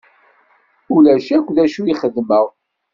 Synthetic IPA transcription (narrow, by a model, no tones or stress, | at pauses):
ulæʃækʷðæʃuiχəðməʁ